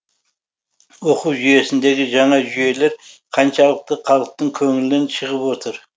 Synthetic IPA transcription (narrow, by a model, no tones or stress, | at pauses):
woquwʒʏje̞sɪnd̪e̞ɡʲɪʒɑɴɑʒʏje̞le̞ɾqʰɑnʃɑlˠəq̚t̪əqʰɑlˠəq̚t̪əɴkʲʰɵŋɪlɪnɪnʃʰəʁəpwo̞t̪ʰəɾ